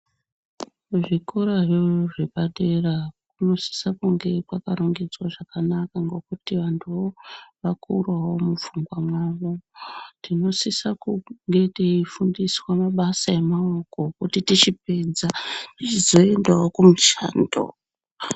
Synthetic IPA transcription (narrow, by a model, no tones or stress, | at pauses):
ʐikoɾaʐeʐeɓaɗerakuno̞si̥sakuŋɡe̞pakaɾuŋɡid͡zwaʐakanakaŋɡo̞kutiʋantʰuʋoʋakṵrwawo̞mufuŋɡwamwaʋotino̞sisakuŋɡe̞tiifundiswamaɓasae̞maoko̞kutitit͡ʃip̚e̞d͡zatit͡ʃizo̞e̞ndaokumut͡ʃa̰ːndo̰